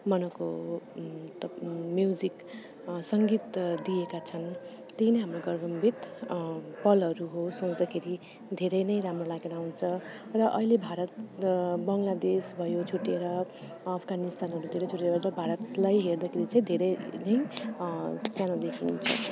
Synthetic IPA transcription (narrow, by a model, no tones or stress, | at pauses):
mʌnʌko̰ | t̪ʌmjud͡zik | sʌŋɡit̪d̪ijekat͡sʰʌn | t̪enʌjɦamroɡʌrbʌmbʱit̪ | pʌlʌɾuɦosot͡sd̪ʌkʰeɾi | d̪ʱeɾʌjnʌjɾamrolaɡnawnt͡sʰʌrʌʔʌ̰ilebʱaɾʌt̪bʌŋlad̪esbʱʌjot͡sʰuʈeɾʌː | pʰɡanist̪anɦʌɾud̪ʱeɾʌjt͡sʰuʈeɾʌɾʌbʱaɾʌt̪lajɦerd̪akʰeɾit͡saĩd̪ʱeɾʌjnʌj | sjanad̪ekʰint͡sʰʌ̰